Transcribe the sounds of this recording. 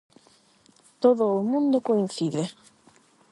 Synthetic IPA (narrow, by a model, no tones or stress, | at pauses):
t̪oðʊːmũnd̪okoinθiðe